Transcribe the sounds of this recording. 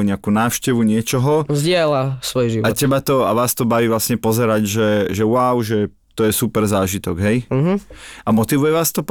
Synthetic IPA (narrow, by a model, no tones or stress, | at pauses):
ɲɪakuːnaːʊʃcɛʋuɲɪɛt͡ʃɔɦɔzɟɪɛlasʋɔjʒiʋacɛbat̪ɔaʋaːst̪ɔbaʋiːʋlasɲɛpɔzɛɾaɟʒɛʒɛwawʒɛ | t̪ɔjɛsupɛɾzaːʒit̪ɔɡɦɛjɦʔamɔt̪iʋujɛʋaːst̪ɔp